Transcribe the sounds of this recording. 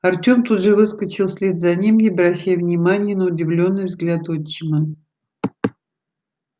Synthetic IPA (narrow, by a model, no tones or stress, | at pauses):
ɐrtʲo̞mt̪ud̪ʐɨvɨskət͡ɕɪlˠsʲlʲed̪zɐnʲimibɾɐɕːæjvnʲɪmanʲɪjənəʊdʲɪvlʲo̞nːɨjvzɡlʲat̪ot͡ɕːɪmə